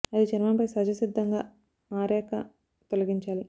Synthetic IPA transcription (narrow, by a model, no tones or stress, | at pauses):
ɐd̪it͡ʃɐnimɐnpɐjsɐd͡ʒɐsid̪ʱːɐŋɡaː | aːɾɛːkɐ̰ | t̪olɐɡiɲt͡ʃaːli